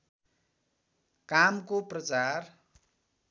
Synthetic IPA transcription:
kamkoprʌt͡sar

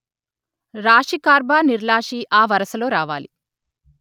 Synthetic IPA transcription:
ɾaːʂikaːɾbaːniɾlaːʂiʔaːʋɐɾɐsɐlo̞ːɾaːʋa̰ːlḭ

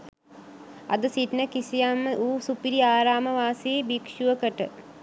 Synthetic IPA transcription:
ɐ̰d̪əsiʈnəkisijamːəʔuːsupiɾiaːɾaːməʋaːsiːbikʃuʋəkəʈə

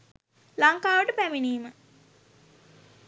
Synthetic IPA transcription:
laŋkaːʋəʈəpæminiːmə

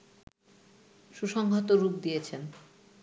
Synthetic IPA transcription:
ʃuʃɔŋɡʱot̪oɾup̚d̪ijet͡ɕʰen

